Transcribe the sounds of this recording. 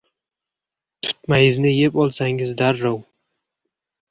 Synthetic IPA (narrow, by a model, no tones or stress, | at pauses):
t̪ʰʊ̥t̪majɪznɪjepɒlˠsaŋɪzd̪aɾːow